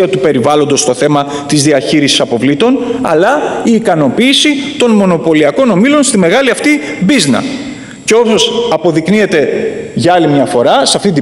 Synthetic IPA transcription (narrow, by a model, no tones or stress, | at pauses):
ɐt̪upe̞ɾivɐlond̪o̞st̪o̞θe̞mɐ | t̪izðiɐçiɾisi̥sɐpo̞vlit̪o̞nɐ̰lɐiːkɐno̞piːsit̪o̞nmo̞no̞po̞liɐko̞no̞milo̞nst̪ime̞ɣɐliɐft̪ibiznɐ̰ | ceo̞pso̞sɐpo̞ðiknie̞t̪e̞ʝɐɐlimɲɐfo̞ɾɐsɐft̪int̪i